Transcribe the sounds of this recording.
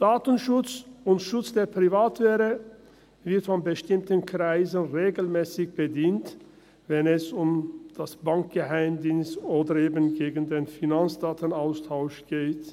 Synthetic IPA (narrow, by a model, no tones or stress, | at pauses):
d̥aːtənʃʊt͡sʊntʃʊt͡sd̥eːɐpʁ̥ivaːtv̥eːʁə | vɪɐtfɔnbəʃtɪmtənkʁ̥aɪzənʁeːɡl̩mɛːsɪçb̥ədiːnt | vɛnɛsʊmd̥asb̥aŋk̚ɡ̥əɦaɪmdiːnstoːdəɾeːbənɡeːɡən̩deːnfinant͡sd̥aːtənaʊstʰaʊʃɡ̥eːt